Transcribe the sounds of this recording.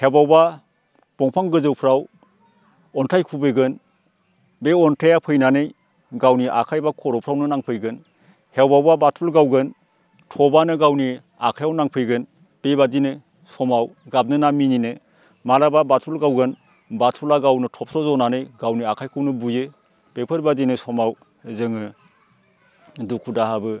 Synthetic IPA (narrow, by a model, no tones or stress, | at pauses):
hebawba | b̥ɔŋpʰaŋɡɯzɯwpʰɾaw | ɔntʰajkʰubɯɡɯn | beɔntʰejapʰɯjnanɯj | ɡawniʔa̰kʰajbakʰɔɾɔpʰɾawnɯnaŋpʰɯjɡɯn | hewbawbabatʰulɡawɡɯn | tʰɔbanɯɡawni | a̰kʰajawnaŋpʰɯjɡɯn | b̥ebadinɯ | sɔmawɡab̚nɯnamininɯ | malababatʰulɡawɡɯn | batʰulaɡawnɯtʰɔp̚tʰɾɔzɔnanɯjɡawniakʰajkʰɯwnɯbujɯ | b̥epʰɯɾbadinɯsɔmaw | zɯŋɯ | dukʰudaɦabɯ